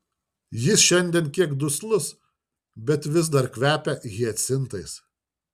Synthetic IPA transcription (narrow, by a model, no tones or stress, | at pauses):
jɪsʃʲɛnʲd̪ʲɛnkʲiɛkd̪ʊslˠʊs | bʲɛt̪ʋʲɪz̬d̪ɐɾkʲʋʲæːpʲɛɣʲiɐt̪ʲsʲɪnt̪ɐɪs